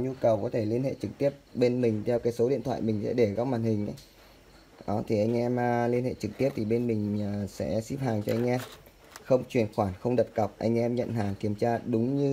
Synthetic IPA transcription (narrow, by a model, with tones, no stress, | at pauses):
ɲu˧kə˨˩wkɔ˨˦t̪ʰe˧˩li˧ənhḛ˧˨t͡ɕɨ˨˩k̚t̪i˦˥əp̚ɓe˧nmï˨˩ŋ̟t̪ʰɛ˧wkaː˨˦jso˨˦ɗḭ˧˨ənt̪ʰwa̰ː˧˨jmï˨˩ŋ̟sɛ̰˧˥ɗe˧˩ɣa˦˥p̚maː˨˩nhï˨˩ŋ̟ʔə̰˨˦j | ʔɔ˨˦t̪ʰi˨˩ʔa˧jŋ̟ʔɛ˧mː˨˩li˧ənhḛ˧˨t͡ɕɨ˨˩k̚t̪i˦˥əp̚t̪ʰi˨˩ɓe˧nmï˨˩ŋ̟əː˨˩sɛ̰˧˥si˦˥p̚haː˨˩ŋt͡ɕɔ˧ʔa˧ŋ̟ʔɛ˧m | xə˧wŋ͡mt͡ɕwi˨˩ənxwaː˧˩nxə˧wŋ͡mɗə˨˩p̚ka˨˩wk͡p̚ʔa̰˧jŋ̟ʔɛ˧mɲə̰˧˨nɦaː˨˩ŋki˧˩əmt͡ɕaː˧ɗʊ˨˦ŋ͡mɲɨ˧